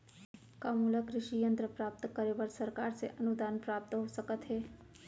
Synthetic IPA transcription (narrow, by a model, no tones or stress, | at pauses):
kamuləkɾɪʃijənt̪ɾəpɾap̚t̪kəɾebəɾsəɾkaɾsḛʔənud̪anpɾap̚t̪ɦosəkət̪ɦe